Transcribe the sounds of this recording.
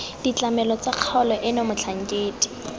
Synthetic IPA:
d̥it͡ɬamɛlɔt͡saq͡χʰɔlɔʔɪnomʊt͡ɬʰaŋ̩kʼeːtʼi̥

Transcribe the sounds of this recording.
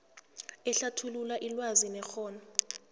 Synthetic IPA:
ɛɬatʰululaʔilwazinɛxɔːna

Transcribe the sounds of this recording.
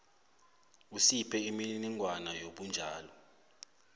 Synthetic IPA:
usipʰɛiminiŋʱwanajoɓund͡ʒʱaːlɔ

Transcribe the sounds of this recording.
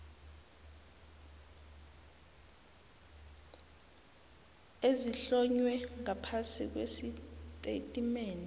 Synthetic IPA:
eziɬɔɲwɛŋapʰasik̬wesitʼḛtʼimeːni

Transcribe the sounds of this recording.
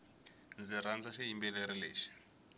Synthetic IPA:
nd͡ziɾand͡zaʃeɦimbɛleɾilḛːʃi̥

